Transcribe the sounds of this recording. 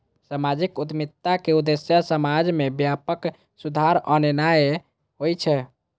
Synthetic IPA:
samad͡ʒikud̪mit̪akeud̪esjasəmad͡ʒmebjapək | sud̪ʱaɾənenaj | ɦojt͡ʃʰɛ

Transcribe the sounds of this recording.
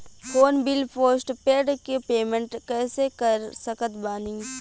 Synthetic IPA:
fʰoːnbɪlpʰoːsʈpeːɖkepeːmẽɳʈkɛːsekɐɾsɐkət̪baːnĩː

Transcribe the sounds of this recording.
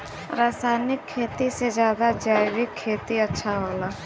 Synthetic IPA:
ɾaːsaːjnɪkʰːeːt̪ised͡ʒjaːd̪ad͡ʒaːjɾɪkʰːeːt̪iətːʃʰaɦoːlaː

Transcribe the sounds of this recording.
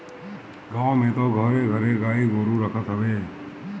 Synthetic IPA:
ɡãːʋmẽːt̪oːɡʱəɾeɡʱəɾeːɡaːiɡoːɾũɾəkʰət̪ɦəʋeː

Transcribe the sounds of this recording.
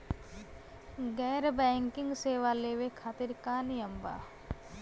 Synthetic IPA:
ɡɛːɾbɛ̃ːŋkɪ̃ŋɡseːʋaleːʋekʰaːt̪ɪɾkaːnɪjəmba̰ː

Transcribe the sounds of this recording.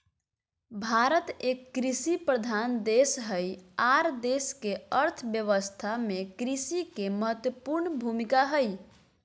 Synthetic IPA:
bʱaɾət̪ekːɾisipɾəd̪ʱand̪esɦəjaɾd̪eskeəɾt̪ʰbjəʋəst̪ʰamekɾisikeməɦət̪jəpuɾɳbʱumikaɦəj

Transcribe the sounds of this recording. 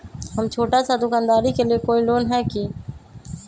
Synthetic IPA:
ɦəmt͡ʃʰoːʈasad̪ʊkaːnd̪aːɾikelijekoːiloːnɦɛkiː

